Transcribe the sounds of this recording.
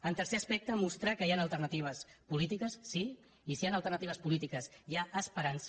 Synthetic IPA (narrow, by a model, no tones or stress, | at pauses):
ənt̪əɾseəspɛk̚t̪əmust̪ɾakəjanəlˠt̪əɾnət̪iβ̞əspulit̪ikəsːi | isianəlˠt̪əɾnət̪iβəspulit̪ikəsjaʔəspəɾans